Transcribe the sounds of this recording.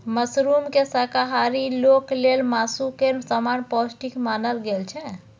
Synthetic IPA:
məsɾumkesəkaɦaɾiloklelmasukeɾsamanpɔsʈikmaːnəlɡelt͡ʃʰɛ

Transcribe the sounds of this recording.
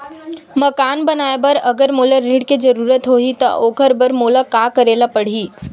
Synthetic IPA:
mɐkaːnbɐnaːebɐɾɐɡəɾmoːlaɾĩːɖked͡ʒɐɾuːɾət̪ɦoːit̪ɐ̰ʔoːkəɾbəɾmoːlakaːkəɾeːlapɐɽ̤iː

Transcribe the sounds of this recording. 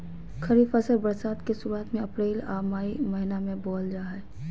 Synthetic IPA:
xɐɾiːfəsəɾbəɾsaːd̪kesuɾaːt̪mẽɐpɾeːla̰ːmaːimɐɦɪnamẽbɔːld͡ʒaːɦɛː

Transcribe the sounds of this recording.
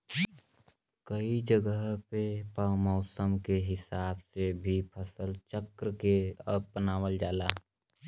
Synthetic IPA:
kəid͡ʒəɡəɦpepəmɔʊsəmkeɦɪsaːbsebʱipʰəsəlt͡ʃəkɾəkeəpənaːwəld͡ʒaːlaː

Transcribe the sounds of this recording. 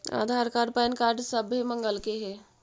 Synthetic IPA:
a̰ːd̪ʱaɾkaːɾɖ̚paːnkaːɾɖsəbɦemə̃ŋɡəlkeɦɛː

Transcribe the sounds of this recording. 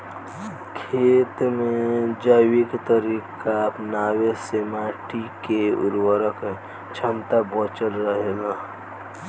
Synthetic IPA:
kʰeːt̪mẽd͡ʒəɪwikt̪əɾiːkaəpnaːwesemaːʈikeṵɾwəɾək | t͡ʃʰəmt̪abət͡ʃəlɾəɦela

